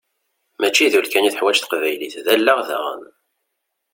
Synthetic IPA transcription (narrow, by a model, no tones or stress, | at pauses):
mæt͡ʃːiðulkæniθəħwæt͡ʃθə̥qvæjliθðælːaʁðæ̰ʁə̰m